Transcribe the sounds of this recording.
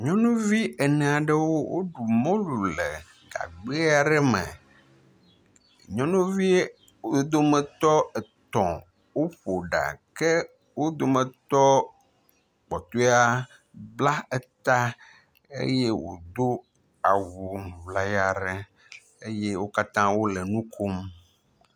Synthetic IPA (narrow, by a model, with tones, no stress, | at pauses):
ɲɔ̃˦nũ˦vi˦e˨nɛ̃˨a˨ɖə˨wo˦wo̰˦ɖu˨mɔ̃˦lu˨lɛ˨ | ɡa̰˨ɡ͡be˦a˨ɖɛ˦mɛ̰̃˨ | ɲɔ̃˦nũ˦vi˦ | o˦d̪o˦mə̃˨t̪ɔ˦ɛ˨t̪ɔ̃˨ | wo˦ɸo˨ɖa̰˨kɛ˦ | wo˦d̪o˨mə̃˨t̪ɔ˦ | k͡pɔ˨t̪o˦a˦ | bla˦e˦t̪a˦ | ḛ˦je˦wo̰˨d̪o˦ | a˨wu˨vla˨ja˨ɾɛ˦ | e˦je˦wo˦ka˦t̪ã˦wo˦le˨nũ˦kʰo˦m